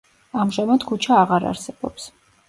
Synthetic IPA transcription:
amʒamad̪kʰut͡ʃʰaːʁaɾa̰ɾsɛb̥ɔps

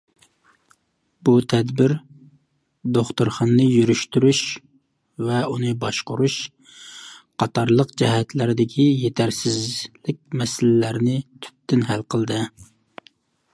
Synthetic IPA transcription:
but̪ʰɛd̪bɪɾ | d̪oχt̪uɾχɑnːɨjyɾyʃt̪yɾyʃ | vɛunɨbɑʃqʊɾuʃ | qʰɑt̪ʰɑɾlˠəqd͡ʒɛɦɛt̪ʰlæɾɪd̪ɪkʲʰijet̪ʰæɾsɪzlɪk̚ʲmɛsɪllæɾnɪt̪ʰy̥p̚t̪ːɪnɦælqʰəlˠd̪ɨ

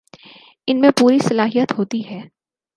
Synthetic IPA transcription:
ɪnmẽpuːɾisɐlaːɦijət̪ɦoːt̪iɦɛː

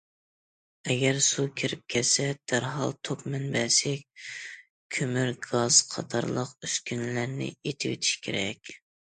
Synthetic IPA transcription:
ɛɡʲɛɾsukʲʰiɾɪp̚kʲʰɛt̪sɛd̪̥æɾɦɑ̰lˠt̪ʰopmɛnbɛsɛk̚ʲ | kʲʰømyɾɡɑz̥qʰɑ̰t̪ʰɑ̰ɾlˠəqyskʲynlæɾnɪ̰et̪ʰɪwḛt̪ʰi̥ʃkʲʰeɾɛkʲ

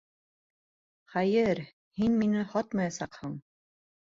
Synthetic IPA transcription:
χæjɘɾ | hinminɘhɑt̪mɑjɑsɑqhɤɴ

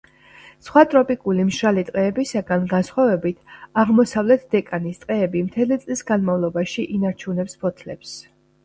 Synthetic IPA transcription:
sχwat̪ʼɾɔpʼikʼulimʃɾalit̪ʼqʼɛːbisaɡanɡansχwavɛbit̪ʰaʁmɔsavlɛt̪ʰd̪ɛkʼanist̪ʼqʼɛːbimt̪ʰɛlit̪sʼlisɡanmavlˠɔbaʃiʔinaɾt͡ʃʰunɛpspʰɔt̪ʰlɛps

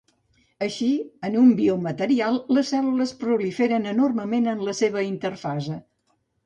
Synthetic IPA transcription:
əʃiənumbiomət̪əɾialˠləsɛluləspɾulifeɾənənorməmenənləseβ̞əint̪ərfazə

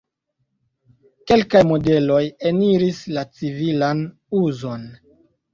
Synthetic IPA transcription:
ke̞lkajmo̞de̞lo̞jeniɾislat͡sivilan | uzo̞n

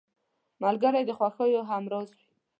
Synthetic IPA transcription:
malɡaɾajd̪əxwaxəjoɦamɾɑzwi

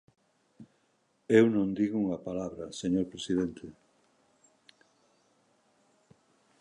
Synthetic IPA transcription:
ewnõnd̪iɣuŋɐpalaβɾɐseɲoɾpɾesiðent̪ʰe

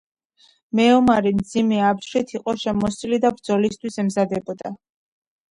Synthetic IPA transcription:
mɛɔmaɾimd̪zimɛapʃɾit̪ʰiqʼɔʃɛmɔsʼilid̪abɾd̪zɔlist̪ʰwisɛmzad̪ɛbɔd̪a

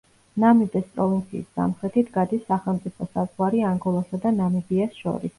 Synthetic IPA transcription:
namid̪ɛspʼɾɔvint̪sʰḭːsːa̰mχɾɛt̪ʰit̪ʰɡad̪isːaχɛlˠmt̪sʼipʰɔsazʁwaɾiaŋɡɔlˠasad̪anamibiasʃɔ̰ɾḭs

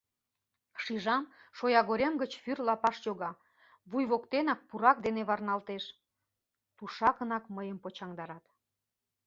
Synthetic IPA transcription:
ʃiʒɑmʃojɑɣoɾʲemɡət͡ɕfyrlɑpɑʃjoɣɑ | βujβokt̪enɑk̚puɾɑk̚d̪eneβɑrnɑlt̪eʃ | t̪uʃɑkənɑkməjəmpot͡ɕɑŋd̪ɑɾɑt̪

